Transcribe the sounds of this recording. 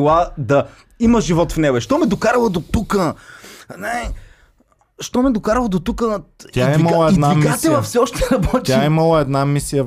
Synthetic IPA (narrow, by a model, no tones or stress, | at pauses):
lˠad̪ɐ | iməʒivɔt̪fnɛɡoɛʃt̪ɔmɛd̪okaɾɐlˠəd̪ot̪ukə | na | ʃt̪ɔmɛd̪okaɾɐlˠɐd̪ot̪ukəaɛiimlˠɛid̪naimkasɛvɐfsɛɔʃt̪ɛɾɐbɔt̪ʲaimɐlˠəɛd̪namisijə